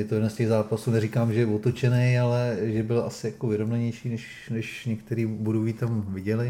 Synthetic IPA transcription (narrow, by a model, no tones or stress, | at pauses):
jɛt̪o̞jɛdnɛscɛɣzaːpasuːnɛɾikaːmʒɛjɛvot̪ot͡ʃɛnɛjalɛʒɛbɪlʔa̰sɪjakovɪɾomnɛɲɛjʃiːnɛʃ | nɛʃɲɛk̚t̪ɛɾiːbuɾoviːt̪amvɪɟɛlɪ